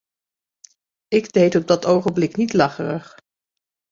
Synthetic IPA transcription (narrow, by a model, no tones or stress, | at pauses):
ɪɡdejtɔb̚dɑtowχənblɪknitlɑχərəχ